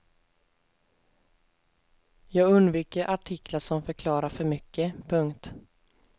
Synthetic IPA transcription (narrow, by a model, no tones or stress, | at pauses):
jɑːɡɵnd̪viːkəɾʔaʈʰɪkʰːlaʂɔmfœɾkʰlɑːɾaɾfœɾmʏkːəpʰɵŋkt̪